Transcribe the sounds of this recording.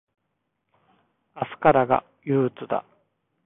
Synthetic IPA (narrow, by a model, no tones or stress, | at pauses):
asɨ̥kaɾaɡa̰ | jɯːt͡sɨd̪a̰